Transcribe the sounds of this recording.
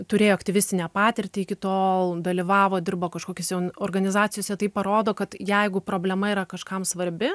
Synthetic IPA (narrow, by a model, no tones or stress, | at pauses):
t̪ʊɾʲeːjoːɐkt̪ʲɪʋʲɪsʲt̪ʲɪnʲɛːpɑːt̪ʲɪrʲt̪ʲɪɪkʲɪt̪oːlˠd̪ɐlʲiʋɑːʋoːd̪ʲɪrboːkɐʃkoːkʲɛsʲjɛʊoːrɡɐnʲɪzɑːt͡sʲɪjoːsʲɛt̪ɐɪpɐɾoːd̪oːkɐt̪jɛɪɡʊpɾoːbʲlʲɛmɐiːɾɐkɐʃkɐmsʋɐɾʲbʲɪ